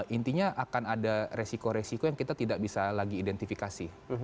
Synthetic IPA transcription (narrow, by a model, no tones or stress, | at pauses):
ʔint̪iɲaʔakanadaɾesikoɾesikojaŋkit̪at̪idaʔ̚bisalaɡiːdɛnt̪ifikasi